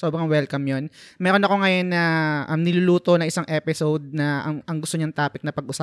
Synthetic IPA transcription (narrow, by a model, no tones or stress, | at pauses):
sobɾɐŋwɛlkɐmjonmɛːɾonɐko̞ŋɐjo̞nːɐʔɐmnɪluluːt̪o̞nɐŋʔɪsaŋʔɛːpɪsowd̪̚nɐʔɐɐŋɡʊst̪oɲaŋt̪aːpɪk̚nɐpɐɡ̚ʔʊsa